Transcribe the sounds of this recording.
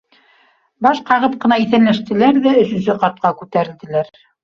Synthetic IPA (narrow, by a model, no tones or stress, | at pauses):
bɑʃqɑʁɤp̚qɤ̆nɑiθænlæʃt̪ɘ̆læɾðæɵ̆sɵ̆nsɵqɑt̪̚qɑkʉt̪æɾɘ̆ld̪ɘ̆læɾ